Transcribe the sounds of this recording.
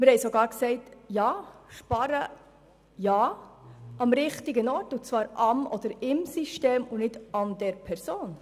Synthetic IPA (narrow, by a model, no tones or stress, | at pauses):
mɪɾhɛjsɔɡɑːɾksɛɪtjɑːʃpɑɾə | jɑː | ɑmɾɪχtiɡənɔɾtut͡svɑːɾʔɑmɔd̥̪əɾɪmsiʃteːmunɪdɑnd̥ɛɾpʰɛɾsoːn